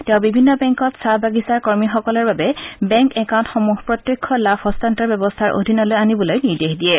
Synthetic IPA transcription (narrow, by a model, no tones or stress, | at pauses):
tɛʊ̃bibʱinːɔbɛŋkɔtsabaɡisaɹkoɹmixɔkɔlɔɹbabɛbɛŋkɛkaw̃ntxomuɦpɹɔtjekʰːɔlaphɔstantɔbɛbɔstʰaɹʔo̰dʱinɔlojanibɔlojniɹdexdijɛ